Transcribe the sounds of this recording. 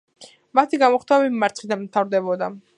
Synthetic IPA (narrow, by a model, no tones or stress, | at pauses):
mat̪ʰiɡamɔχt̪ʰaɛbiːaɾt̪χid̪anmt̪ʰavɾd̪ɛbɔd̪a